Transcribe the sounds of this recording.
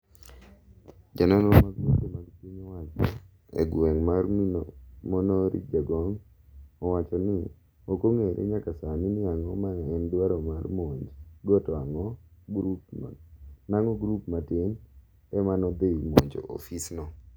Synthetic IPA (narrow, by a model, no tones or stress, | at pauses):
d͡ʒanɔnomaɡotomaɡpiɲɔwat͡ʃɔ | ḛɡweŋmarminmɔnɔɾʔḭd͡ʒaɡɔŋ | ɔwat͡ʃɔni | okoŋeɾʔḛɲakasaminɪaŋɔmaŋaɛndwaɾɔmarmoɲd͡ʒɡɔtɔaŋɔɡɾup | naŋɔɡɾupmatɪn | ɛmanɔd̪eimoɲd͡ʒɔ̰ʔo̰fisnɔ